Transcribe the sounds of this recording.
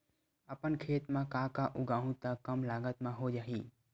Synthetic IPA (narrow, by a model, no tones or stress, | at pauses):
əpənkʰeːt̪mãkãːkaʔʊɡaːɦũt̪əkːəmlaːɡət̪mãɦod͡ʒaːɦiː